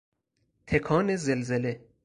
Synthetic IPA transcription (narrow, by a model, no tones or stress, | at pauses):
t̪ʰekʰɒːnezelzele